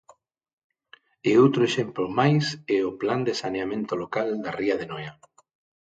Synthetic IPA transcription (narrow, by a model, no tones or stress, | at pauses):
eowt̪ɾoeʃemplomajsɛopland̪esaneamẽnt̪olokald̪ariaðenɔja